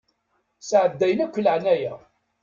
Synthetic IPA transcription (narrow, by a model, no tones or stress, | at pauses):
sʕəd̪ːæjnækʷːələʕnæjæ